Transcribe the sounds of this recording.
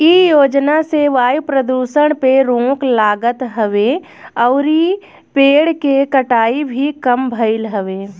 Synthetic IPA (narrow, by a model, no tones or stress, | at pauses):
ijoːd͡ʒnaseʋaːjupɾəd̪uːʃəɽ̃peɾõːklaːɡət̪ɦəʋeː | ɔːɾi | peːɽkekəʈaːibʱikəmbʱəɪlɦəʋeː